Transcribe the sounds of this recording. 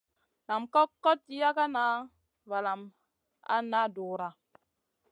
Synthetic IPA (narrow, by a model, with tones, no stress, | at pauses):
na˨mkɔ˦kːɔ˦tːi˦ja˦ka˦na˦ | va˨la˨m | a̰˦na˦doː˨ɾa˨